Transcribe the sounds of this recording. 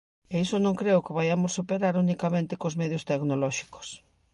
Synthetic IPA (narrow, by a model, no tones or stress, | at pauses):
eisonõŋkɾeʊkɪβajamosːupeɾaɾunikamẽnt̪ɪkozmeðjost̪eknolɔʃi̥ko̥s